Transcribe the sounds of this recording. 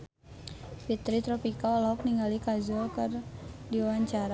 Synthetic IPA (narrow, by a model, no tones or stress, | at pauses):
fit̪ɾit̪ɾɔpikaɔlauk̚niŋɡalikazɔkərdiwaɲt͡ʃaɾa